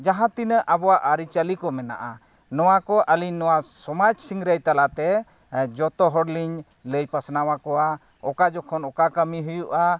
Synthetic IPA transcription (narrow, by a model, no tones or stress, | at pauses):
d͡ʒaɦãt̪inəʔabɔwaʔaɾit͡ʃalikɔmɛna̰ʔa | nɔwakɔʔaliɲnːɔwasɔmad͡ʒsiŋɾəjt̪alat̪ɛ | d͡ʒɔt̪ɔɦɔɽliɲ | ləjpasnawakɔwa | ɔkad͡ʒɔkʰɔnɔkakəmiɦujuʔa